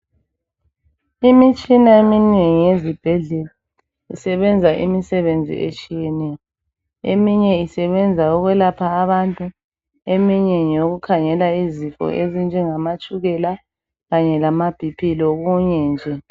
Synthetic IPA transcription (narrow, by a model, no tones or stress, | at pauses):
imit͡ʃʼinaemineŋijezib̥ʱɛɮɛla | ḭsɛβɛnd͡zʱaʔḭmisɛβend͡zʱḭʔet͡ʃʼijɛnɛjɔ | ḛmiɲɛisɛβɛnd͡zʱaɔɣwɛlapʰaːβantʼu | emiɲɛɲoɣukʰaŋɛlaizifʼɔ̰ʔezind͡ʒʱɛŋamat͡ʃʼuɣɛla | ɣaɲɛlamab̥ʱipʰiloɣuɲɛnd͡ʒʱɛ